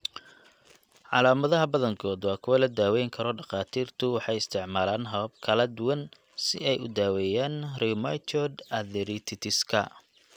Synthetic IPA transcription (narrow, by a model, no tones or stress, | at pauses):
ʕɑ̰laːmɐðɐɦɐbɐðɐŋkʰɔːd̪wɑːkʰʊwɐlɐd̪aːwɛjŋkʰɐɾɔɖɑqɑːt̪ʰiːrt̪ʰʊwɑħɑjɪst̪ʰɪʕmaːlaːnɦɐβɐb̚kʰɐlɐd̪ʊwɐn | sɪɛjʊd̪aːwɛːjaːnrimajt͡ʃ̪ɔd̪ɐðɛɾit̪ʰɪt̪ʰɪskʰɐ̰